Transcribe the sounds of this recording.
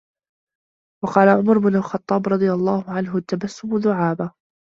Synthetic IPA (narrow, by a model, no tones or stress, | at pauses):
wɑqɑːlaʕʊmaɾbɪnʊlxɑt̪ˤːɑːbɾˤɑd̪ˤɨjɑlˤːɑːhʊʕanɦʊt̪ːabasːʊmʊðʊʕaːba